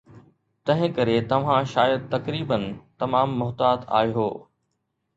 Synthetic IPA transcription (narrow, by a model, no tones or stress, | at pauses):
t̪ɐ̃ɦɪ̃kɐɾet̪ɐʋ̤ãʃaːjəd̪̚t̪ɐkɾiːbənt̪ɐmaːmːʊɦt̪aːt̪a̰ːeɦoː